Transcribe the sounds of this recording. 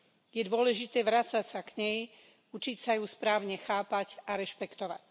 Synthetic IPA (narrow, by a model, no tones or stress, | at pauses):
jɛd̪ʊɔlɛʒit̪ɛːʋɾat͡sacsakɲɛj | ut͡ʃicsajuspɾaːʊɲɛxaːpacaɾɛʃpɛkt̪ɔʋa̰c